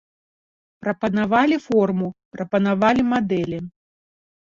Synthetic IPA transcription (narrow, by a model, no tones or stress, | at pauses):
pɾɐpɐnavalʲifɔrmupɾɐpɐnavalʲimad̪ɛlʲi